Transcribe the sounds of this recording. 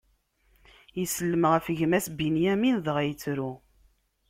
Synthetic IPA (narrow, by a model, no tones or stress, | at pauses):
jəsəlːəmʁəfəʝmæsbinjæminðəʁæjət͡sːɾu